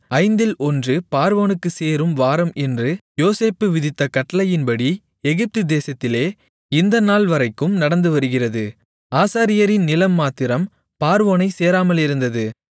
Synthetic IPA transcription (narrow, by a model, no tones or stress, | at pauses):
ɐɪnd̪ɪlʔɔndrɯpaːɾʋoːnɯkːɯseːɾɯmʋaːɾɐmɛndrɯjoːseːpːɯʋɪðɪt̪ːɐkɐʈːɐlɐjɪnbɐɽi | ɛɣɪp̚t̪ɯd̪eːsɐt̪ːɪleː | ɪnd̪ɐnaːlʋɐɾɐɪkːɯmnɐɽɐnd̪ɯʋɐɾɯɣɪrɐðɯ | aːsaːɾɪjɐɾɪnnɪlɐmːaːt̪ːɪɾɐm | paːɾʋoːnɐɪseːɾaːmɐlɪɾɯnd̪ɐðɯ